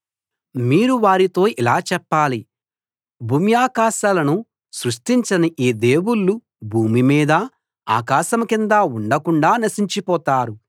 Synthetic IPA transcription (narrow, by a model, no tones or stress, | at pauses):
miːɾuʋaːɾit̪o̞ːʔilaːt͡ʃɛpːaːli | bʱuːmijaːkaːʃaːlɐnu | sɾuʂʈiɲt͡ʃɐniʔiːd̪e̞ːwuɭːu | bʱuːmimiːd̪ɐ | a̰ːkaːʃɐmkind̪auɳɖɐkuɳɖaːnɐsiɲt͡ʃipɔːt̪aːɾu